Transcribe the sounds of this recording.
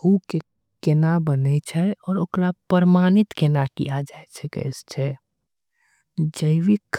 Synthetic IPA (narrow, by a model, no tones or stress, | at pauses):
huke | kenabənɛt͡ʃʰɛɔːɾokɾapəɾmaːnɪt̪kenakḭjad͡ʒaet͡ʃʰɛkɛ̰ɪst͡ʃʰɛ | d͡ʒəʋikʰ